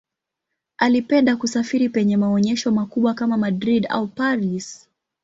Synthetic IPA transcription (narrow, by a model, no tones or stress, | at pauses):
alipɛndakusafiɾipɛɲɛmaɔɲɛʃɔmakuɓwakamamadɾida̰upaɾis